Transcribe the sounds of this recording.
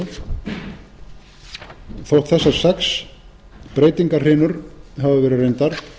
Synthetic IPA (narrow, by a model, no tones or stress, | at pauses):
θowht̪θɛsːḁsɛks | pɾeːjt̪iŋkar̥ɪːnʏɾɦavɪvɛːɾɪrejnt̪aɾ̥